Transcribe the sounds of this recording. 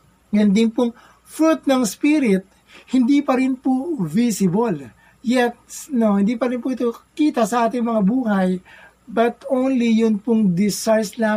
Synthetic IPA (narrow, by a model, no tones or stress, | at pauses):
ɡɐnd̪ɪnpʊŋ | fɾut̪̚nɐŋspiːɾɪt̪̚ | hɪnd̪iːpɐɾɪnpʊvisɪbol | jɛt̪̚snohɪ̃nd̪iːpɐɾɪnpʊʔɪt̪okiːt̪ɐsɐʔaːt̪ɪŋmɐŋabuːhɐj | bɐt̪ownlijʊnpʊŋd̪ɪsajslaː